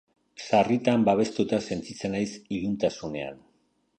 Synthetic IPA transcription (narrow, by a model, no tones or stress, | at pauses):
sarit̪ambaβ̞e̞st̪ut̪ase̞nt͡sit͡se̞najsiðunt̪asune̞a̰n